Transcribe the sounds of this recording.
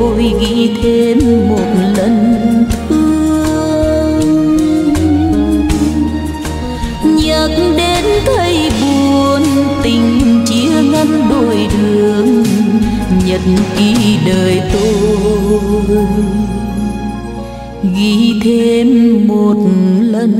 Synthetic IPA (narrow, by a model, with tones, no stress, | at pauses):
o˧jɣi˧˥t̪ʰe˧mːo˨˩t̚lə˧˨nt̪ʰɨ˧əəəəəəŋŋ | ɲə˨˩t̩̚ɗe˨˧˦nt̪ʰə˧jɓu˨˩ənt̪ï˨˩ŋ̟t͡ɕi˧˦əŋa˧˦˥nɗo˧˩jɗɨ˨˩əŋ | ɲə˨t̚nki˧˦ɗəː˨˩jt̪o˧ | ɣi˧˥t̪ʰe˧mːo˨˩t̚lə˧˩n